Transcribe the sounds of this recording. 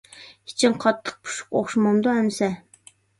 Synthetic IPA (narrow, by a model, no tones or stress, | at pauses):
it͡ʃʰɪnqʰɑt̪ʰːə̥q̚pʰu̥ʃʊ̥qoχʃmɑmd̪ohɛmsɛ